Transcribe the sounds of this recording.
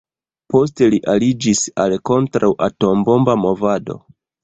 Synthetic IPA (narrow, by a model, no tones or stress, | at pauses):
po̞s̬te̞liʔalid͡ʒisalko̞ntɾawʔato̞mbo̞mbamo̞vado̞̰